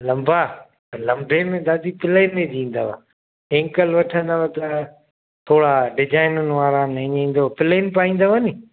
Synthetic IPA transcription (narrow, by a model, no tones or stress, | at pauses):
lɐ̃mbʱaː | pɐɾlɐ̃mbʱeːmẽd̪aːd̪ipɪlaɪnẽd̪ĩːn̆d̪aːʋa̰ː | ẽːŋkəlʋɐʈʰə̃nd̪aʋat̪ɐ | t̪ʰoːɽaːɖɪd͡ʒaːɪnʊnɪ̆ʋaːɾanɐɲĩːn̆d̪opɪleːnpaːĩːn̆d̪oʋəniː